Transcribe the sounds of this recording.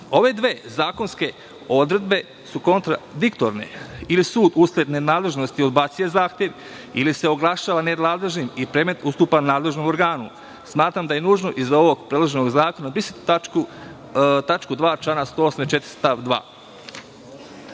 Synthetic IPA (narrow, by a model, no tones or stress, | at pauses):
o̞ʋe̞d̪ʋeːzaːko̞nske̞ | o̞d̪ɾe̞d̪be̞ | suko̞nt̪ɾa̰d̪ikt̪oɾne̞̰ilisuːd̪usled̪nenaːd̪le̞ʒnost̪iod̪baːt̪sijezaːxt̪jeʋ | ilise̞o̞ɡlˠaʃaːʋaned̪naːd̪le̞ʒnimipɾeme̞t̪ust̪uːpanaːd̪le̞ʒnomo̞ɾɡaːnu | smaːt̪ɾamd̪aje̞nuːʒno̞ʔizo̞ʋo̞ɡpɾed̪laʒeno̞ɡzaːko̞nabisit̪a | t̪at͡ʃkud̪ʋaːt͡ʃanast̪oosmet͡ʃet̪ɾi̥st̪aʋd̪ʋa̰ː